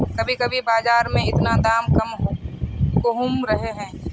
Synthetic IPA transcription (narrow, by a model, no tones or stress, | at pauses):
kɐbʱikɐbʱibaːzaːɾmẽɪt̪nad̪aːmkɐmɦ | koɦumɾəɦeɦɛ̃ː